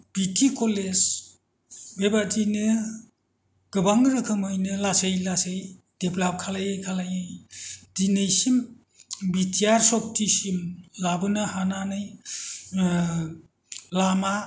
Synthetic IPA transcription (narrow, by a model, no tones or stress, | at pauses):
b̥itʰikoled͡ʒ | bebadinɯ | ɡ̥ɯbaŋɾɯkʰɯmɯjnɯlasejlasej | d̥eplap̚kʰalajɯjkʰalajɯjd̥inejsim | bitʰiaɾsɔp̚tʰisimlabɯnɯhananɯj | lama